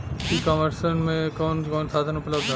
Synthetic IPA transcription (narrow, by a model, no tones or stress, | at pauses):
kikɔməɾsənmẽkɔːnkɔːnsad̪ʱənupləbd̪ʱa